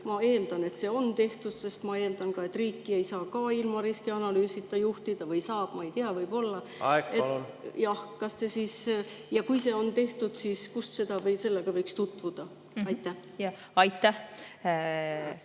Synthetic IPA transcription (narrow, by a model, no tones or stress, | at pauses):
mɑe̞ːld̪̥ɑne̞t̪se̞ːo̞nt̪e̞ht̪ud̪̥se̞st̪mɑe̞ːld̪̥ɑnkɑe̞t̪ːˑriːkːie̞jsɑːkɑːilmɑɾiskiɑnɑlyːsit̪ːˑɑjuht̪id̪̥ɑvɯjsɑːb̥mɑe̞jt̪iɑvɤjb̥o̞lːɑ | ɡejɑhkɑst̪e̞siːs | jɑkujse̞ːo̞nt̪e̞ht̪ud̪̥siːskust̪se̞d̪̥ɑvɤjse̞lːeɡ̥ɑvɤjkst̪ut̪vud̪̥ɑ | ɑjt̪ːˑæh | ɑjt̪ːæh